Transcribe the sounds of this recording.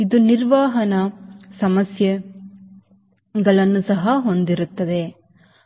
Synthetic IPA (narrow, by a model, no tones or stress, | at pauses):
id̪uniɾʋaːɦɐnɐsɐmɐsjɐ | ɡɐɭɐnːusɐɦɐɦo̞nd̪iɾut̪ːɐd̪e̞